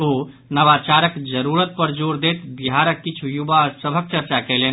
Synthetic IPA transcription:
o | nəʋat͡ʃaɾəkd͡ʒəɾuɾət̪̚pəɾd͡ʒoɾd̪et̪biɦaɾəkːit͡ʃʰujubasəbʱək̚t͡ʃəɾt͡ʃakɛlen

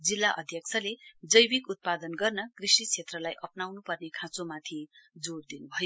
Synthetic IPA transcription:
d͡zilːaʔʌ̰d̪ʱjʌk̚t͡sʰʌled͡zʌjbikut̪̚pad̪ʌnɡʌrnʌkrisikt͡sʰet̪rʌlajʔʌpnawnupʌrnekʰãt͡somat̪ʰid͡zord̪inubʱʌjo

